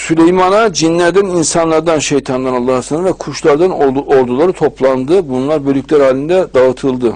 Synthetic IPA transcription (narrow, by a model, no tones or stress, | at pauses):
sylʲejmanad͡ʒinlʲæɾd̪æninsanlˠaɾd̪anʃejt̪ʰand̪analˠːaɦsnvɛkʰuʃlˠaɾd̪anoɾd̪ulˠaɾɯt̪ʰo̞plˠand̪ɯbunlˠaɾbølʲycʰʲlʲæɾhaːlʲind̪ɛd̪aɯt̪ʰɯlˠd̪ɯ